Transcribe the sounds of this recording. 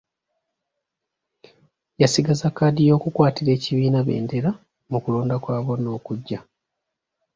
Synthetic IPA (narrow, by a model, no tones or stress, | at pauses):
jasiɡazakːaːdijo̞ːkukwaːtiɾe̞ːciβiːnaβḛːnde̞ɾa | mukulo̞ːndakwaːβo̞no̞ːkuɟːa